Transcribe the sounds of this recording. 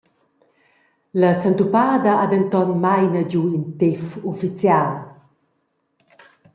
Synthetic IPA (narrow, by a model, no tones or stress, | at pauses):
ləsant̪upad̪əad̪ɛnt̪ɔnmajnəɟuint̪efufit͡sjal